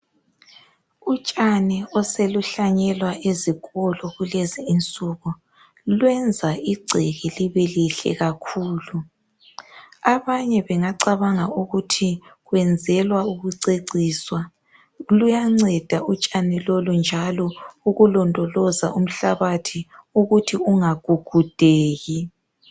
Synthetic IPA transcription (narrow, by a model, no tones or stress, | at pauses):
ut͡ʃʼanɛɔseluɬaɲɛlwaʔeziɣɔlɔɣuleziːnt͡sʼuɣɔ | lwɛnd͡zʱaiɡ͡ǀʱɛɣɛliβɛliɬɛ̰ɣakʰuːlu | aβaɲɛβɛŋaǀaβaŋauɣutʰiɣwɛnd͡zʱɛlwauɣuǀeǀiːswa | lujaŋ͡ǀɛd̥ʱaut͡ʃʼanilolund͡ʒʱalɔuɣulɔndʼʱɔlɔzaum̩ɬaβatʰiuɣutʰiuŋaɡ̥ʱuɡ̥ʱud̥ʱeːɣi